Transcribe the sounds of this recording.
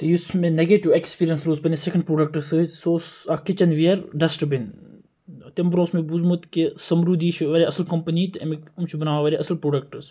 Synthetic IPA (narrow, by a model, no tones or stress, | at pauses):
t̪ejusmẽneɡeʈiʋekspiːɾijɐnsɾoːzpɐnesekɐɳɖpɾoːɖɐk̚ʈɐsɨsoːsakit͡ʃɐnʋiɐɾɖɐsʈəbin | t̪ɐmbɾõːsmebuzmut̪kesɐmɾuːd̪iːʃʰʋɐɾeɐsəlkɐmpɐnit̪ɐmikumt͡ʃʰubɐnaːʋaʋɐɾeʔɐsɐlpɾoːɖɐk̚ʈɐɾs